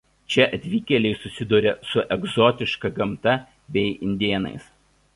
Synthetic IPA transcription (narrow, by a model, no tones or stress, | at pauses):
t͡ʃʲɛʔɐt̪ʲʋʲiːkʲɛlʲɛɪsʊsʲɪd̪uːɾʲɛsʊʔɛɡzɔːt̪ʲɪʃkɐɡɐmt̪ɐ | bʲɛɪʔɪnʲd̪ʲeːnɐ̰ɪs